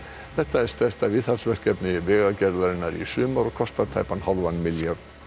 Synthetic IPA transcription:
θɛht̪aɛɾ̥st̪ɛst̪aviːðθalsvɛr̥cɛpnɪvɛːɣacɛɾðaɾɪnːaɾḭsʏːmaɾɔɣkʰɔst̪aðt̪ʰajpanhawlvanːmɪljaɾ

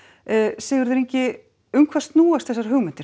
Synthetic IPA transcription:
sɛːɣʏɾðɪɾejɲcɪ | ʏŋkʰvast̪nuːast̪θɛsaɾ̥ɦʏːɣmɪnt̪ɪ̥ɾ

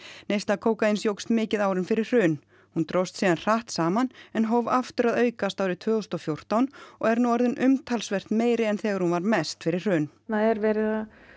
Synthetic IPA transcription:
nejst̪lakʰoːwkainsjowkst̪mɪːcɪðaːwɾɪnfɪɾɪr̥r̥ʏːn | hunt̪ɾowst̪siːðanr̥aht̪saːmanɛnɦɔvaft̪ʏɾaðœːɥkast̪aːwɾɪt̪ʰvœːɣɔst̪ɔfjowr̥t̪awnɔɣɛɾnuaɾðʏnʔʏmt̪ʰalsvɛr̥t̪meːjɾɪɛnθɛːɣaɾhunvaɾmɛst̪fɪɾɪr̥r̥ʏːn | naðɛɾvɛːɾɪða

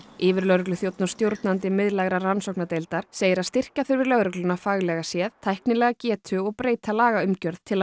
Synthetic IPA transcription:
ɪːvɪɾlœɣɾʏklʏθjowt̪nʊ̥st̪jowɾt̪nant̪ɪmɪðlaɣɾaransowknat̪ejlt̪aɾ̥seːjɪɾaðst̪ɪr̥kaθʏɾvɪɾlœɣɾʏklʏnafaɣlɛɣasjɛðt̪ʰajhknɪlɛɣacɛːt̪ʰʏɔɣpɾeːjt̪ʰalaːɣaʏmcœɾðt̪ʰɪla

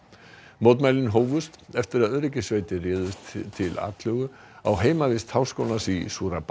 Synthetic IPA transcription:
mowt̪majlɪnɦoːwvʏst̪ɛft̪ɪɾaðœðɾɛcɪsveːjt̪ɪrɪːðʏst̪t̪ʰːɪla̰ːt̪lœɣʏ | a̰wɦeːjmavɪst̪hawskoːwnasisuːɾap

